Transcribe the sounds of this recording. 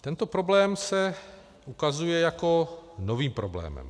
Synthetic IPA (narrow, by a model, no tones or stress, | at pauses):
t̪ɛnt̪opɾo̞blɛːmsɛ | ʔukazujɛjako̞noviːmpɾo̰blɛ̰ːmɛ̰m